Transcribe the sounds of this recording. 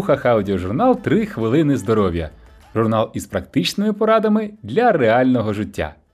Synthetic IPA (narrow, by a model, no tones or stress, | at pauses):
xɐxɐʊdʲɪɔʒʊrnɑlˠt̪ɾɪxʋɪlˠɪnɪzd̪ɔɾɔʋʲjɐ̰ | ʒʊrnɑlˠispɾɐkt̪ɪt͡ʃnɪmɪpɔɾɑd̪ɐmɪd̪lʲɐreɑlʲnɔɦɔʒɪtʲːa̰